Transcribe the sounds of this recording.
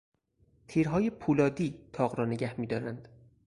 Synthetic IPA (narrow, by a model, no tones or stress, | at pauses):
t̪ʰiːɾɦɒːje̞pʰuːlɒːd̪iːt̪ʰɒːɣɾɒːne̞ɟæhmiːd̪ɒːɾænd̪̥